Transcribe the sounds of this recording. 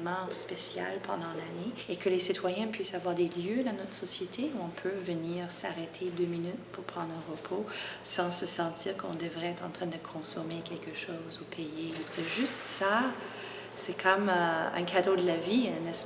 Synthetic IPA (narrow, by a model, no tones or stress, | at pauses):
mɑ̃spesja̰lpɑ̰̃d̪ɑ̃laneekəlesit̪ʰwajɛ̃pɥisavwaʁd̪eljød̪ɑ̃nɔt̪χsɔsjet̪ʰeuɔ̃pʰøvəniːʁsa̰ʁet̪ʰed̪øminyt̪puʁpχɑ̃d̪ʁɛ̃ʁəpʰosɑ̃səsɑ̃t̪iːʁkɔ̰̃d̪əvʁɛɛt̪χɑ̰̃t̪χɛ̃d̪əkʰɔ̃sɔmekʲʰɛlkəʃɔːzupʰɛjeusɛʒyst̪sa | sɛkʰɔmøɛ̰̃kʰad̪od̪əlaviɛ̃nɛs